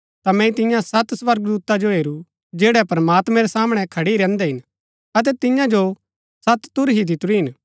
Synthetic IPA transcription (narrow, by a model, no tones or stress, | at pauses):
t̪amɛ̃ːĩt̪ɪ̃jãsɐt̪sʋɐɾɡd̪uːt̪ad͡ʒoɦeːɾu | d͡ʒeːɽɛpɐɾɐmaːt̪mɛ̃ɾɛsaːməɽ̃ɛkʰɐɽiiɾɛ̃ːnd̪ɛɦɪn | ɐt̪̬ɛt̪ɪjãd͡ʒo | sɐt̪t̪ʊɾɦid̪ɪt̪ʊɾiɦɪn